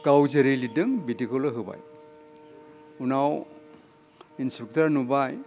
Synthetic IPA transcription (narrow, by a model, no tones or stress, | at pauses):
kawzeɾejlidɯŋbitikʰɔlɔɦɯba̰j | unaw | inspik̚taɾnubaj